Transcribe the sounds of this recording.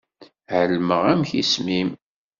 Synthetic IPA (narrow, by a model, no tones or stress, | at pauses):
ʕəlːməʁæmçismim